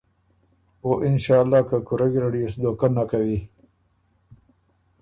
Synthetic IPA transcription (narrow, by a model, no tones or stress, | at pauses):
oʔɪnʃɑːlːɑːkakʊɾaɡiɾaɖijosd̪okanːakawi